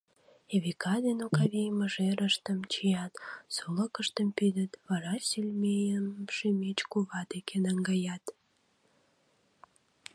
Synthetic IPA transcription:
eβikɑd̪enokɑβijməʒeɾəʃt̪əmt͡ɕijɑt̪suləkəʃt̪əmpyd̪ət̪βɑɾɑsilʲmejəmʃymet͡ɕkuβɑd̪ekʰenɑŋɡɑjɑt̪

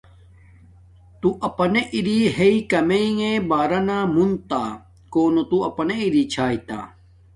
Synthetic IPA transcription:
t̪uʔɐpɐneʔiɾiɦeikɐmeiŋẽbaːɾɐnamunt̪aː | koːnot̪uɐpɐneiɾit͡ɕʰaːit̪a̰ː

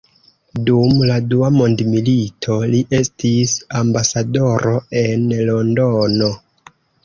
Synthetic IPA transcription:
dumladuamo̞ndmilitʰo̞liʔe̞stisambasado̞ɾo̞e̞nlo̞ndono̞

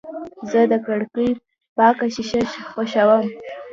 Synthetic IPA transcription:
zəd̪əkaɽki | pɑkaɕiɕaʃxoʃawəm

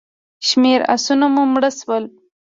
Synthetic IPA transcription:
ʃmeɾa̰sunamumɽəswəl

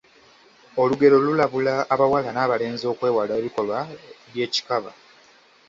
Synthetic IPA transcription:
o̞luɡe̞ɾo̞lulaβulaːβawalanaːβale̞ːnzo̞ːkwe̞ːwalaeβiko̞lwaβje̞ːci̥kaβa̰

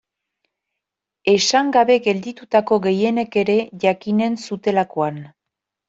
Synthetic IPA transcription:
e̞saŋɡaβe̞ɡe̞ld̪it̪ut̪ako̞ɣe̞je̞ne̞ke̞ɾe̞ʝakine̞nsut̪e̞lako̞an

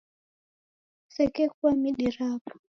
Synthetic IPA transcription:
sɛkɛkuamiɗiɾapɔ̥

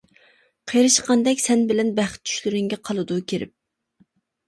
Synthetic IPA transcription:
qʰejɾɨʃqɑnd̪ɛkʲsɛnbɪlɛnbæχt̪̚t͡ʃʰy̥ʃlyɾɪŋɡʲɛqʰɑlˠɨd̪ukʲʰeɾɪ̰p̚

